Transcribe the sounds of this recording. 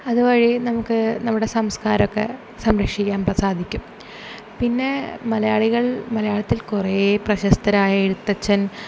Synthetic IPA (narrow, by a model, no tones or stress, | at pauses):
ɐðuʋɐɻinɐmukːɨnɐmːuɽe̞sɐmskaːɾɐokːe̞̰ | sɐmɾɐkʂikʲːaːnprɐsaːd̪ʱikʲːum | pinːe̞mɐlɐjaːɭiɣɐɭmɐlɐjaːɭɐt̪ːilkureprɐɕɐst̪ɐɾaːjeɽut̪ːɐt͡ɕːɐn